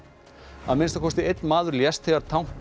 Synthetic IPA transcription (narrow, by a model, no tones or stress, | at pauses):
a̰ðmɪnst̪akʰɔst̪ɪejt̪̚nmaːðʏɾljɛst̪θɛaɾ̥t̪ʰawŋ̥p